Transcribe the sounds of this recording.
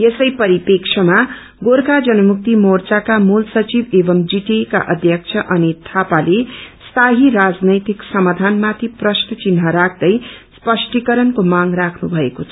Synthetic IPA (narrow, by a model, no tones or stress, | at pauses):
esʌjpʌɾipekt͡ʃʰʌma | ɡoɾkad͡zʌnʌmuk̚t̪imort͡sakamulsʌt͡sibebʌmd͡ziʈeka̰ʔʌd̪ʱjʌk̚t͡sʰʌʔʌnit̪ʰapalest̪ʰaɦiɾad͡znʌjt̪iksʌmad̪ʱanmat̪ʰiprʌsʈʌt͡sinɦʌɾakʰd̪ʌjspʌsʈikʌɾʌnkomaŋrakʰnṵbʱʌekot͡sʰʌ